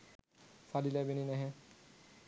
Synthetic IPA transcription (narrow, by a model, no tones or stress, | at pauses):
salilabeninɛɦɛ̃